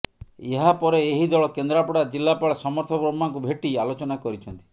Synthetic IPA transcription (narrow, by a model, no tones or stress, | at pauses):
eɦapɔɾeːɦid̪ʱɔɭɔkend̪ɾapɔɽad͡ʒilːapaɭasɔmɔɾt̪ʰɔpɾɔmaŋkubʱeʈialot͡ʃɔnakɔɾit͡ʃʰɔnt̪i̥